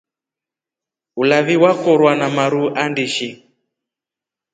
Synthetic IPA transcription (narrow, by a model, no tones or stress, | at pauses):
ulaβiwakɔɾwanamaɾuʔandiʃi